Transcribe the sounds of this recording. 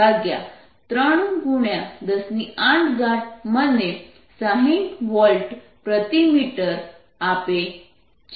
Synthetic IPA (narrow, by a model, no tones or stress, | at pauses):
aɡja̰ | t̪ɾəɳ̃ɡuɳjad̪əsniãʈɡaʈ̚mənːe | saɦĩʈʋɔlʈ | pɾət̪imiʈəɾ | ape | t͡ɕ